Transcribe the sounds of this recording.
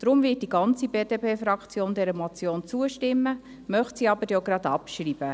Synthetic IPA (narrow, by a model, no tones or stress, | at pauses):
d̥ɾʊmvɪət̚d̥iɡɑnt͡sibeːd̥epʰeːfɾɑkt͡sjoːndɛɾəmot͡sjoːnt͡suəʃtɪmːə | mœχtsiɑbəɾjoɡɾɑd̪ɑpʃriːb̥ə